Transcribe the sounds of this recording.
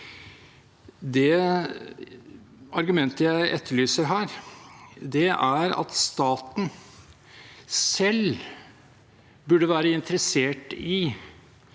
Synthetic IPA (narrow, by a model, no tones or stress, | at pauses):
d̪ɛ | ʔɑɾɡʉmɛnt̪əjæɪʔɛt̪ʰːəɭyːsəɾɦæːɾ | d̪ɛæɾɑ̰t̪st̪ɑːt̪n̩ | sɛl | bʉɖəʋæːɾəɪnt̪ʰəɾɛseːʈɪ